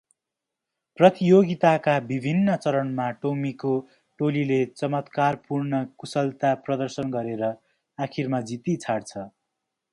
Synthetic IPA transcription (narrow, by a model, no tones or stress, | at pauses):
prʌt̪ijoɡit̪akabibʱinːʌt͡sʌɾʌnmaʈomiko | ʈolilet͡sʌmʌt̪karpurnʌkusʌlt̪aprʌd̪ʌrsʌnɡʌɾeɾʌ | akʰirmad͡zit̪it͡sʰaɽt͡sʰʌ